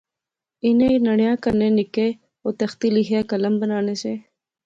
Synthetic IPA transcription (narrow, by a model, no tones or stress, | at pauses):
inẽnɐɳjãːkəɾnẽːnikeː | oːt̪ɐxt̪iliɦaːkɐləmbənaːneseː